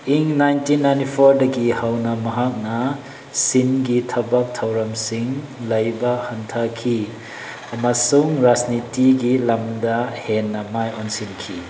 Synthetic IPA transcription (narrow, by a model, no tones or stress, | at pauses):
iŋnajntʰinːajntipʰoɾdɐɡihawnɐmɐɦak̚nɐ | sinɡitʰɐbɐk̚tʰɐwɾɐmsiŋ | lɐjbɐhɐntʰakʰi | ɐmɐsuŋɾasnitiɡilɐmdɐhenːɐmajonsinkʰi